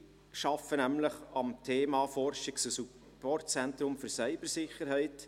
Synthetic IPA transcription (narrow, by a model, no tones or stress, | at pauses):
ʃɑfənæmləχɑmtʰeːmɑfɔrʃɪksəsu | pɔrtt͡sɛntɾʊmfyɾsœɪb̥əɾsɪχəɾhɛɪt